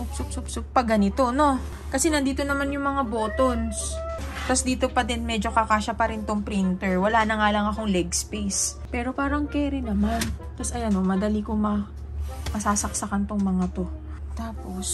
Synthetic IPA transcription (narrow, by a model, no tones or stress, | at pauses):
upsup̚sʊp̚sʊp̚pɐɡɐnɪt̪o̞no̞ | kɐsɛnɐnd̪iːt̪o̞nɐmanjʊŋmɐŋabo̞ːt̪ons | t̪ɐsd̪iːt̪o̞pɐd̪ɛnmɛd͡ʒo̞kɐkaːʃɐpɐɾɪnt̪oŋpɾint̪ɛɹwɐlaːnɐŋaːlɐŋɐko̞ŋlɛɡspejspɛːɾo̞paːɾɐŋkɛːɾɪnɐmant̪ɐsɐjɐnomɐd̪ɐlikoŋmɐ | mɐsaːsɐk̚sɐkɐnt̪oŋmɐŋat̪o̞ | t̪aːpo̞s